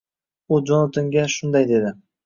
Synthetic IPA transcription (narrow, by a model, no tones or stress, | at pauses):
ud͡ʒonat̪ʰoŋɡʲaʃʊnd̪ajd̪e̞d̪ɪ